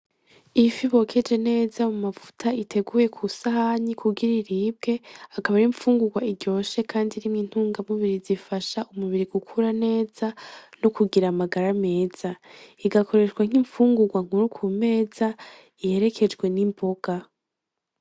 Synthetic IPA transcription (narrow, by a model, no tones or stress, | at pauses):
ifiβo̞kʰe̞d͡ʒe̞ne̞ːzamumavu̥tʰaitʰe̞ɡuːje̞kʰusahaɲikʰuɡiɾiɾiːb̚ɡe̞akaβaɾiɱfuːŋɡuɡwaiɟo̞ːʃe̞kʰaːndiɾimŋin̥huːŋɡamuβiɾizifaʃaʔumuβiɾiɡ̥ukʰuɾane̞ːz̥anukuɡiɾamaɡaɾame̞ːz̥aiɡakʰo̞ɾe̞ʃɡwaŋ̥iɱfuːŋɡuɡwaŋ̥uɾukʰume̞ːza | ihe̞ɾe̞kʰe̞d͡ʒɡwe̞nimbo̞ɡ̥a